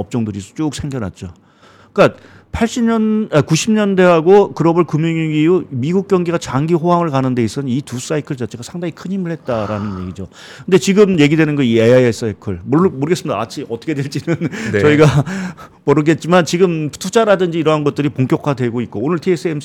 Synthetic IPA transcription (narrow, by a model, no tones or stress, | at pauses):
ʌp̚t͡ɕ͈ʌŋdɯɾit͡ɕ͈uːk̚sʰe̞ŋɡjʌna̰t̚t͡ɕ͈o | ik͈a | pʰaɭɕ͈imɲʌnakuɕʰimɲʌnde̞ɦaɡokɯɾʌbɯɭkumjiŋiɡiumiɡuk̚k͈jʌŋɡiɡat͡ɕaŋɡiɦoɦaŋɯɭkanɯnde̞is͈ʌnnitus͈aikʰɯɭt͡ɕat͡ɕʰeɡasʰaŋdaŋikʰɯɲɦimɯɭhe̞t̚t͈aɾanɯnje̞ɡid͡ʑo | kʰɯnde̞t͡ɕiɡɯmje̞ɡidwenɯnɡʌieaes͈ekʰɯɭmomoɾɯɡes͈ɯmidaat͡ɕʰiʌtʰʌkʰe̞dweɭt͡ɕ͈inɯnt͡ɕʌiɡa | mʌɾɯɡe̞t̚t͡ɕ͈imant͡ɕiɡɯmtʰud͡ʑaɾadɯnd͡ʑiːɾʌɦanɡʌt̚t͈ɯɾipoŋk͈jʌkʰadwe̞ɡoit̚k͈oonɯɭtʰiesʰɯem